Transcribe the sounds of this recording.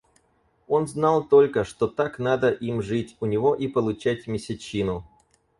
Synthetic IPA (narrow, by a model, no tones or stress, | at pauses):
o̞nznalˠt̪o̞lʲkəʂt̪o̞t̪akn̪ad̪əʔimʐɨtʲʊnʲɪvo̞ʔipəlˠʊt͡ɕætʲmʲɪsʲɪt͡ɕinʊ